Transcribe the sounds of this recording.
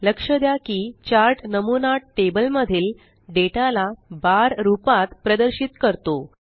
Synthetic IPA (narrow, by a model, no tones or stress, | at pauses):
ləkʂəd̪jakiːt͡ɕaɾʈnəmunaʈebəlməd̪ʱiːl | ɖeʈalabaɾɾupat̪pɾəd̪əɾɕit̪kəɾt̪o